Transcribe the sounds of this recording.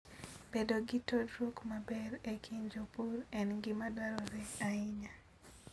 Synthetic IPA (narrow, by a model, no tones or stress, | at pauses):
b̥edoɡitodɾokmabɛɾekʰiɲd͡ʒopuɾɛnɡɪmadaɾɔɾɛaiɲa